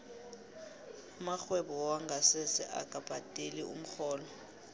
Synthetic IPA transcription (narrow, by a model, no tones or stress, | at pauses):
maxwɛɓɔwaŋɡʱasɛsɛʔa̰ɡ̥ʱʼab̥ʼatʼeliṵm̩xɔːlɔ